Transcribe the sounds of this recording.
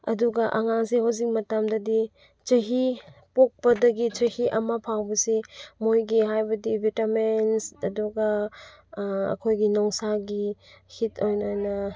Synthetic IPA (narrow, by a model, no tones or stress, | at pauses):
ɐ̰duɡɐʔɐŋaŋseɦawzik̚mɐtamdɐdi | t͡ʃɐɦipok̚pɐdɐɡit͡ʃɐhiʔɐmɐpʰawbɐsimojɡiɦajbɐdibʱitamensɐduɡɐ | ɐ̰kʰojɡinɔŋsaɡihitʰojnajnɐ